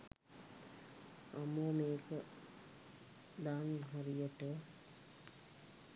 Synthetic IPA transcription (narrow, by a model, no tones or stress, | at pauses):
aməmeːkə | d̪aːnɦaɾijəʈə